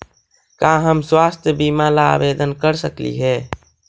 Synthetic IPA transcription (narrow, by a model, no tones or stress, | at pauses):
kãɦəmswaːst̪ʰjəbimala̰ːbed̪ənkəɾsəklḭɦɛː